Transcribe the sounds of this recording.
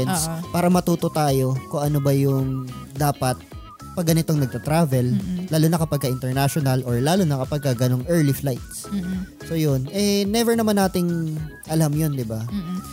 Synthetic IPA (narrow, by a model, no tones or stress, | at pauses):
ɛnspaːɾɐmɐt̪uːt̪o̞t̪aːjo̞koŋʔɐno̞bɐjʊŋd̪aːpɐt̪̚ | pɐɡɐnɪt̪o̞ŋnɐɡ̚t̪ɐt̪ɾaːvɛllːaːlonɐkɐpɐɡ̚kɐʔɪnt̪ɛɹnaʃonɐlʔoɹlaːlonɐkɐpɐɡ̚kɐɡɐno̞ŋʔɛɹliflajt̪̚s | so̞ːjonʔɛnɛvɛɹnɐmanːaːt̪ɪŋ | ʔɐlamjond̪ɪba